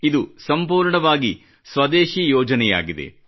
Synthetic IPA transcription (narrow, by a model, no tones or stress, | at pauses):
id̪usɐmpuːɾɳɐʋaːɡi | sʋɐd̪eːʃijɔːd͡ʒɐnɛja̰ːɡid̪e̞̰